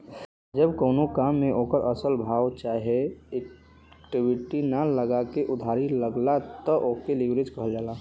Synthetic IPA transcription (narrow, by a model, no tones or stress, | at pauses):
d͡ʒəbkoʊnokamːẽʔokəɾʔəsəlbʱawt͡ʃaɦeek | ʈibʱiʈinaləɡakeʔʊd̪ʱaɾiləɡlat̪ɔʔokelibɾed͡ʒkəɦəld͡ʒaːla